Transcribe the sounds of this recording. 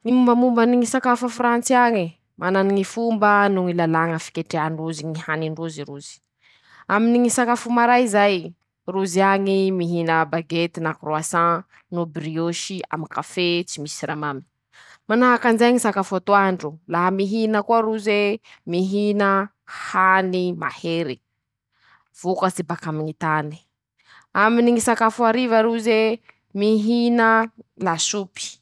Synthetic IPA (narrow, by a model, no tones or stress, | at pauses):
ŋimumbəmumbəniŋisakafəfrant͡siaŋi | mananiŋifumbənuŋilalaŋəfi̥kʲeʈ͡ʂeanruziŋihaniɳɖ͡ʐuziɾuzi̥ | aminiŋisakafumaɾaizaj | ruziaŋimiɦinəbaɡet̪inakruasã | nubrioʃia̰mikafet͡simisiɾamamini̥ | manaɦakand͡ʒeŋisakafat̪uaɳɖ͡ʐulaɦamiɦinəkuaɾuzemiɦinə | hanima̰heɾe | v̥ukəsibakamiɲit̪ani̥ | aminiŋisakafuaɾivaɾuze | miɦinəlasupi̥